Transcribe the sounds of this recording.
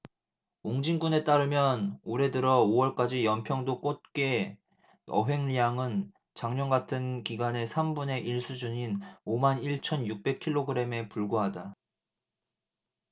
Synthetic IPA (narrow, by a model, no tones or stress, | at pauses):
oŋd͡ʑiŋɡune̞t͈aɾɯmjʌnoɾe̞dɯɾʌowʌɭk͈ad͡ʑijʌmpʰjʌŋdok͈ot̚k͈e̞ | ʌ̰ɦe̞ŋʎijaŋɯn | t͡ɕaŋɲʌnɡatʰɯnkiɡane̞sʰambune̞ʔiɭs͈ʰud͡ʑuɲinomaniɭt͡ɕʰʌnjuk̚p͈e̞kʰiɭːoɡɯɾe̞me̞puɭɡoɦada